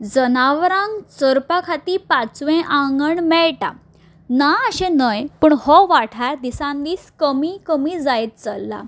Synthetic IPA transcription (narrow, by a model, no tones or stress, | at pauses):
d͡zənaʋɾãŋɡt͡səɾpakʰat̪iːpat͡sʋẽʔãŋɡəɳmɛɭʈa̰ | naəɕẽnəjpəɳhɔʋaʈʰaɾd̪isãnd̪iːskəmikəmiːd͡zajt̪̚t͡səlːa̰